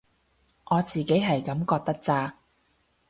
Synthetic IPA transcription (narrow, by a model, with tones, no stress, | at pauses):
ʔɔː˨˧t͡siː˨ke˨˥jɦɐ˨jkɐ˨˥mkɔː˧k̚t̪ɐ˥k̚t͡saː˧